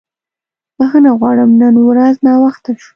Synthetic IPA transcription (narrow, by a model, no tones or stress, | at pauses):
bəxənaɣwɑɽəmnənwɾaznɑwaxt̪aʃu̥